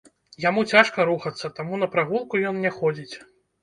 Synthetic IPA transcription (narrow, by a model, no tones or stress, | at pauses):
jamut͡sʲaʂkɐɾuxɐt̪sːɐt̪amunɐpɾaɣulˠkujɔnnʲɛxɔd͡zʲit͡sʲ